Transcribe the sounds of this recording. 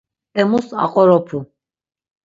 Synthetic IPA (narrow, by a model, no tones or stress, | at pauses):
ɛmusa̰qʼɔɾɔpʰu